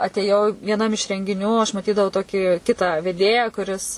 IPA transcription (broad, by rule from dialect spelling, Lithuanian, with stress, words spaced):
ɐtʲeːˈjɛʊ ʋʲiɛˈnɐm ɪʃ rʲɛŋʲɡʲɪˈnʲuː ɐʃ mɐˈtʲiːdɐʋɐʊ ˈtoːkʲɪ ˈkʲɪtɑː ʋʲɛˈdʲeːjæː kʊˈrʲɪs